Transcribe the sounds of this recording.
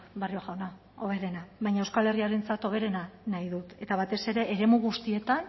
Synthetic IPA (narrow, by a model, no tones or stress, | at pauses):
bario̞ɣawna | o̞β̞e̞ɾe̞naβajɲaewskale̞riaɾe̞nt͡sat̪o̞β̞e̞ɾe̞nanajðut̪e̞t̪aβ̞at̪e̞se̞ɾe̞ʔːɾe̞muɣ̞ust̪ie̞t̪an